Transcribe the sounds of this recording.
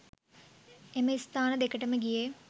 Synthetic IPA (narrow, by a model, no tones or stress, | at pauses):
eməist̪aːnəd̪ekəʈəməɡije